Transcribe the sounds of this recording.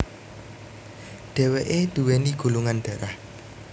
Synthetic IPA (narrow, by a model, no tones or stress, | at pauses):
ɖ̥ɛ̤weʔed̥ṳweniɡ̥ṳluŋanɖ̥a̤ɾah